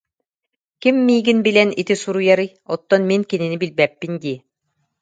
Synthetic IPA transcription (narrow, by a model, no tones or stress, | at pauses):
kimːiːɡinbilɛnit̪isuɾujaɾɯj | ɔt̪ːɔnminkininibilbɛpːind̪iː